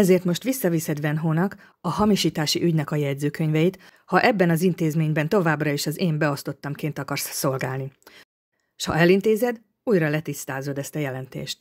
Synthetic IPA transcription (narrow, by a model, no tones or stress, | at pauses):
ɛzeːrt̪mo̞ʃt̪ʋisːɒvisɛd̪vɛnɦoːnɒk | ɒɦɒmiʃiːt̪aːʃiʔyɟnɛkɒjɛɟ̪zøːkø̞ɲvɛjit̪ | hɒʔɛbːɛnɒzint̪eːzmeːɲbɛnt̪o̞vaːbrɒeːʃɒzeːmbɛo̞st̪o̞t̪ːɒmkeːnt̪ɒkɒrsːo̞lɡaːlni | ʃhɒ̰ɛlint̪eːzɛd̪ | uːjrɒlɛt̪ist̪aːzo̞d̪ɛst̪ɒjɛlɛnt̪ḛːʃt̪